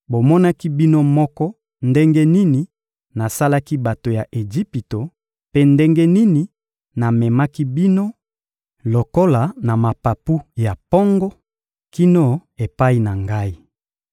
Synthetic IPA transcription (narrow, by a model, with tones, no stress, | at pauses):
bo˨mɔ˦na˦ki˦bi˦no˦mɔ˦kɔ˦ | nde˦ŋɡe˦ni˦ni˨ | na˨sa˦la˦ki˦ba˨to˨ja˨ʔe˨d͡ʒi˦pi˨to˨ | pe˦nde˦ŋɡe˦ni˦ni˨ | na˨mɛ˨ma˦ki˦bi˦no˦ | lo˨ko˦la˨na˨ma˨pa˨pu˦ja˨pɔ˦ŋɡɔ˦ | ki˦no˦e˨pa˦i˦na˨ŋɡa˦i˦